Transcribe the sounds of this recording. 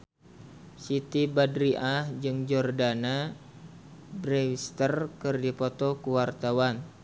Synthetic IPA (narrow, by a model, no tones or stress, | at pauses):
sit̪ibadɾiʔahd͡ʒɨŋd͡ʒɔrdana | bɾewist̪ərkɨrdipɔt̪ɔkuwart̪awan